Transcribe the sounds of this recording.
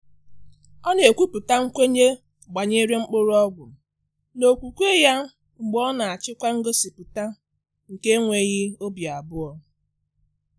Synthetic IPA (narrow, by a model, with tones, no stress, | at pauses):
ɔ˦ne˨e˨kʷu˦pu˨ta˦ŋ̩˦kʷe˦ɲe˦ | ɡ͡ba˨ɲe˦ɾe˦ŋ͡m̩˦k͡pʊ˦ɾɔ˦ɡʷʊ˨ | no˨kʷu˨kʷe˦ja˦ | ŋ͡m̩˨ɡ͡bɔ˦na˨a˨t͡ʃɪ˦kʷa˦ŋ̩˦ɡo˦si˨pu˨ta˦ | ŋ̩˨ke˦ŋʷe˨ɣɪ˦o˦bja˨bʊ˦ɔ˨